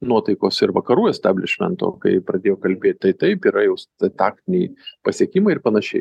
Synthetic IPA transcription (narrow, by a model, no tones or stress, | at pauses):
nuɔt̪ɐɪkoːsɪɾʋɐkɐɾuːjɛsʲt̪ʲæːbʲlʲɪ̰ʃʲmʲɛ̰nt̪o̰ːkɐ̰ɪpɾɐd̪ʲeːjoːkɐlʲbʲeːt̪̚ʲt̪ɐɪt̪ɐɪpiːɾɐjɛʊst̪ɐt̪ɑːk̚t̪ʲɪnʲɛɪpɐsʲiɛkʲimɐɪɪrpɐnɐʃʲɛɪ